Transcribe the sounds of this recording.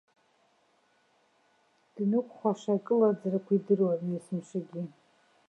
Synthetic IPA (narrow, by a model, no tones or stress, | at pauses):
d̥nɨkʷʰʼχʷaʃakʼɨlad͡zarakʷidɨrwanjesɨmʃaɡʲi